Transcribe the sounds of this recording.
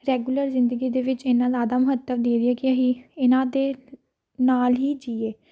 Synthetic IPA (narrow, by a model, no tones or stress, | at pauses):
ɾɛːɡuːləɾzɪnd̪əɡiːd̪eːʋɪt͡ʃenãːzaːd̪aːmʊɦət̪ːəʋd̪eːd̪iɛːkɪəɦiːɪnãːd̪eː | naːlɦiːd͡ʒiːeː